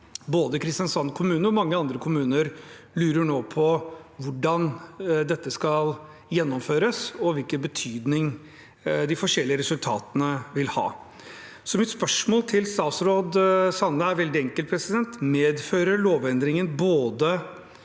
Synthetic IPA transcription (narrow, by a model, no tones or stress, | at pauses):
boːd̪əkʰɾɪst̪jɑnsɑnːkʰʊmʉːnəɾɔmɑŋːəɑnd̪ɾəkʰʊmʉːnəɾ | lʉːɾəɳoːpʰɔʋʊɖɑnd̪ɛt̪ːəskɑl | jɛnːɔmføːɾəsɔʋɪlkənbət̪ʰyːd̪nɪŋ | d̪ɪfɔʂɛlːɪəɾɛsʉlt̪ʰɑ̰ːt̪ənəʋɪlhɑ̰ː | sɔmɪt̪spœʂmoːlt̪ʰɪlst̪ɑːsɾoːd̪sɑnːəæɾʋɛld̪ɪɛŋkəlt̪pʰɾɛsɪd̪ɛnt̪meːd̪føːɾəɭoːʋɛnd̪ɾɪŋənboːd̪ə